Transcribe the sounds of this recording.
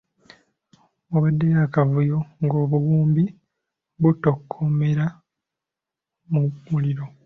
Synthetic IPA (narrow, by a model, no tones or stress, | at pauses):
oβadːejakavujo̞ŋɡo̞ːβuwuːmbi | βuto̞kʰːome̞ɾa | mumuliɾo̞